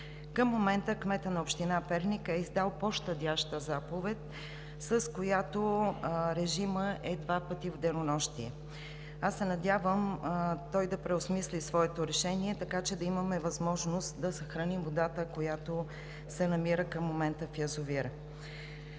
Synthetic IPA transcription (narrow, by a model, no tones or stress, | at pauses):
kəmːomɛnt̪əkmɛt̪ənɐopʃt̪inapɛɾnikɛizd̪alˠpoʃt̪əd̪ʲaʃt̪əzapovɛt̪ | səskojat̪oɾɛʒiməʔɛd̪vapət̪ivd̪ɛnonɔʃt̪iɛ | asːɛnɐd̪ʲjavəmt̪ɔjd̪ɐpɾɛosmislisvɔɛt̪oɾɛʃɛniɛt̪ɐkat͡ʃɛd̪ɐiməmɛvɐzmɔʒnost̪d̪ɐsəxɾɐnimvod̪at̪əkojat̪o | sɛnɐmiɾəkəmːomɛnt̪əfjɐzʊviɾ